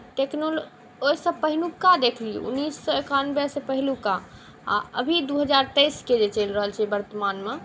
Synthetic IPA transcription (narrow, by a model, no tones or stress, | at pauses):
ʈeknol | osəbpəɦilukad̪ekʰliṵṵnːisːɔekanbɛsepəɦiluka | a̰ə̰bʱid̪uɦəd͡ʒaɾt̪əjsked͡ʒet͡ʃelɾəɦəlt͡ʃʰɛbəɾt̪əmanme